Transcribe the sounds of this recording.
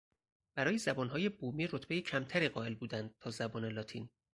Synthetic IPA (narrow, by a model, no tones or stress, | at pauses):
b̥æɾɒːjezæbɒːnɦɒːje̞buːmiːɾot̪ʰb̥ejecʰæmt̪ʰæɾiːɢɒːe̞lbuːd̪ænd̪̥̚t̪ʰɒːzæbɒːne̞lɒːt̪ʰiːn